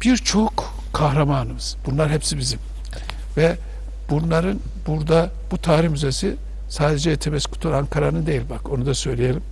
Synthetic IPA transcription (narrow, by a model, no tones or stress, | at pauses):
b̥iɾt͡ʃʰo̞k | kʰːahɾamaːnɯmɯz̥b̥unlˠaɾɦepsibizim | vɛ | bunlˠaɾɯn | b̥uɾd̪a | b̥ut̪ʰaːɾihmyzesi | saːd̪ed͡ʒɛjet̪ʰemɛsi̥kʰu̥t̪ʰulaŋkʰaɾanɯnd̪e̞jilʲbako̞nud̪asø̞jlʲije̞lʲim